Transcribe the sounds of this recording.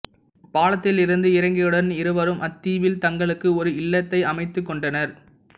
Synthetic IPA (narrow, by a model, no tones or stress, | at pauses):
paːlɐt̪ːɪlɪɾɯnd̪ɯɪɾɐŋɡɐjɯɽɐnɪɾɯʋɐɾɯmʔɐt̪ːiːʋɪlt̪ɐŋɡɐɭɯkːɯɔɾɯɪlːɐt̪ːɐɪʔɐmɐɪt̪ːɯkːɔɳɖɐnɐɾ